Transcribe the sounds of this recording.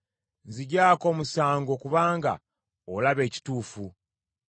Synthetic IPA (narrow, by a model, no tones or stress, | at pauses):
nziɟaːko̞ːmusaːŋɡo̞kuβaːŋɡa̰ | olaβe̞ːci̥tuːfu